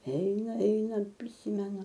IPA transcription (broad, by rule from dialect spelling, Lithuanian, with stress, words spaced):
ˈɛɪnɐ ˈɛɪnɐ pʲrʲɪˈsʲiːmʲɛnʊ